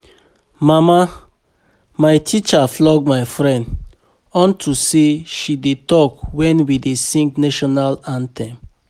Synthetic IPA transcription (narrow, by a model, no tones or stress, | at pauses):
mama | majtʰit͡ʃaflɔɡmajfɹɛ̃nd | ɔ̃ntʰuseʃidetɔkwɛ̃nwidesĩŋknɛʃɔnalãntʰɛ̃m